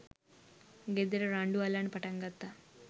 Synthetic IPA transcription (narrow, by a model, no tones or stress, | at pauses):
ɡed̪eɾɐɾaːɳɖualaɳpɐʈaŋɡat̪ːa